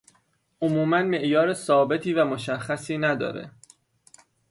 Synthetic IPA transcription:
ʔomuːmænme̞ʔjɒːɾe̞sɒːbe̞t̪ʰiːvæmo̞ʃæxːæsiːnæd̪ɒ̰ːɾḛ

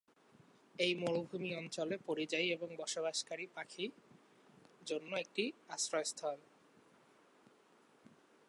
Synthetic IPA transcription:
ejmoɾobʱumiɔnt͡ɕolepoɾid͡ʑajeboŋbɔʃobaʃkaɾipakʰi | d͡ʑonːoek̚ʈiasɾoest̪ʰɔl

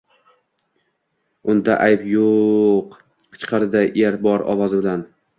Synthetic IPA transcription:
ʊnd̪aʔajpjoq | qʰɨ̥t͡ʃqʰɑɾd̪aʔeɾbɒɾɒ̰vɒzʊd̪an

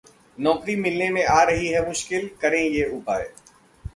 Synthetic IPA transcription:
nɔːkɾimɪlnemẽaːɾɐɦiɦɛmʊʃkɪlkɐɾẽjeːʊpaːe

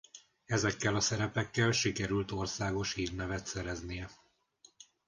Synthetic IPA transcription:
ɛzɛkːɛlɒsɛɾɛpɛkːɛlʃikɛɾylt̪o̞rsaːɡo̞ʃhiːrnɛvɛt̪sɛɾɛznijɛ

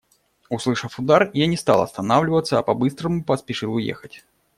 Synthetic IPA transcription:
ʊslˠɨʂəfʊd̪arjanʲɪst̪ɑ̰lˠɐ̰st̪ɐnavlʲɪvət̪sːəːpɐbɨst̪ɾəmʊpəspʲɪʂɨlˠʊjḛxətʲ

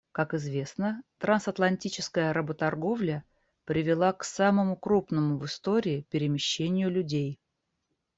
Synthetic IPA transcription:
kakɪzvʲe̞snət̪ɾansɐt̪lˠɐnʲtʲit͡ɕɪ̥skəjəɾəbət̪ɐrɡo̞vlʲə | pɾʲɪvʲɪlˠaksaməmʊkɾupnəmʊvɨst̪o̞ɾʲɪːpʲɪɾʲɪmʲɪɕːenʲɪjʊlʲʉdʲej

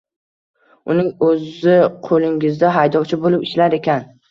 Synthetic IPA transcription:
ʊnɪŋɵzɪqʰolˠɪŋɪzd̪aɦajd̪ɒwt͡ʃʰɪbolɪpɪʃlaɾekʲʰan

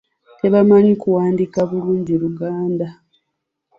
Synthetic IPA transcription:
te̞βamaɲikuwaːndikaβuluːɲɟiɾuɡaːnda

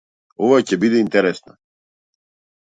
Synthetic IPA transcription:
ɔvacɛbid̪ɛint̪ɛɾɛsna

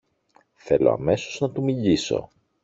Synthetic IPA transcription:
θe̞lo̞̰ɐ̰me̞so̞znɐt̪umiʎiso̞̰

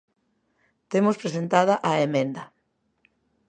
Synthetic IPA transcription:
t̪emʊspɾes̬ent̪að̞ɐʔaemẽnd̪ɐ

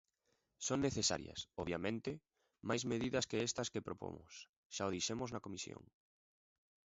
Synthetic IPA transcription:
soŋnːeθesa̰ɾjɐ̰sɔβjamẽnt̪ɪ | majzmeðiðɐskeɛst̪ɐskepɾopo̰mʊ̰s | ʃaoðiʃemʊznɐkomisjo̰ŋ

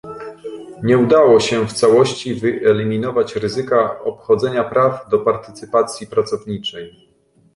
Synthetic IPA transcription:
ɲɛud̪awɔɕɛft̪sawɔɕt͡ɕivɘʔɛlʲimʲinɔvat͡ɕɾɘzɘkaɔpxɔd̪zɛɲapɾavd̪ɔpaɾt̪ɘt̪sɘpat̪sʲjipɾat̪sɔvɲit͡ʂɛj

